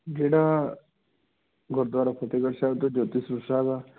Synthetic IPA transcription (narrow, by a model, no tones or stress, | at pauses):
d͡ʒeːɽa | ɡʱɔɾd̪ʋaːɾapʰot̪eɡəɽsaːt̪od͡ʒoːt̪isɾusaːba